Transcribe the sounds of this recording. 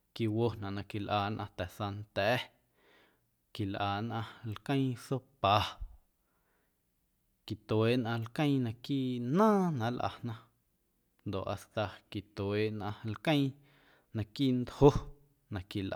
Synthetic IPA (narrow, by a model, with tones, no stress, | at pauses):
ki˧wo˧nã˨ʔnã˧ki˨lʔaː˨nʔã̰˧t̪ɛ˨sa˧nt̪ɛː˨˦ | ki˨lʔaː˨nʔã˧lkə̃˦j̃so˦paː˨ | ki˨t̪eː˨ʔnʔã˧lkə̃˦j̃nã˧kiː˦ʔnãː˦nã˧ʔlʔa̰˨nã˧ | nd̪o˨ʔa˨st̪a˧ki˨t̪weː˨ʔnʔã˧lkə̃˦j̃ | nã˧kiː˦ʔnd̪ho˦ | nã˨ki˨lʔ